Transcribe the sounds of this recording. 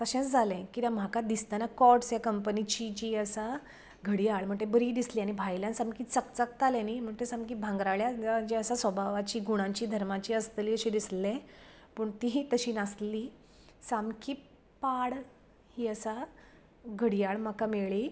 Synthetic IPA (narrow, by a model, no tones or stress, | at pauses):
t̪əɕɛ̃t͡sd͡zʱalɛ̃kit̪ãm̤akad̪ist̪anakɔʈsjakəmpənit͡ɕid͡ʑiəsa | ɡʱəɽijaɭm̤əɳt̪ebəɾiːd̪isliːañibʱajljãnsamkiːt͡səkt͡sək̚t̪alɛ̃nim̤əɳt̪esamkiːbʱãŋɡɾaɭjad͡ʑeəsasʋəbʱaʋat͡ɕiːɡuɽ̃ãɲt͡ɕiːd̪ʱəɾmat͡ɕiːəst̪liːəɕĩd̪islɛ̃ | pəɳt̪iɦit̪əɕiːnasliː | samkiː | paɽ | hiːəsa | ɡʱəɽijaɭm̤akameɭiː